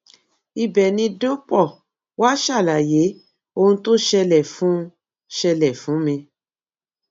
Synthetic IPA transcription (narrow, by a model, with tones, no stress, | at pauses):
i˧bɛ˨nĩ˧do˦k͡pɔ˦˨ | wa˦ʃa˦˨la˨je˨˦ | o˧hũ˧to˦ʃɛ˧lɛ˦˨fũ˨˦˧ | ʃɛ˧lɛ˨fũ˨˦mĩ˧